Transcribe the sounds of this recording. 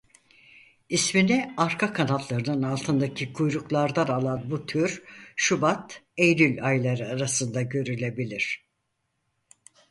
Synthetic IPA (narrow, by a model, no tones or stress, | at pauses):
isminiaɾkʰakʰanat̪lˠaɾɯnɯnalˠt̪ʰɯnd̪acʰikʰujɾuklˠaɾd̪analˠanbut̪ʰyɾʃubat̪ejlylʲajlʲˠaɾɯaɾasɯnd̪aɟø̞ɾylʲe̞bilʲiɾ̥